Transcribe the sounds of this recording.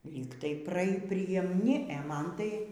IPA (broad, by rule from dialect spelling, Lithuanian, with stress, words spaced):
lʲiːk tɐɪ ˈprɐ pʲrʲiɛmʲˈnʲɪ ɛ ˈmɐn tɐɪ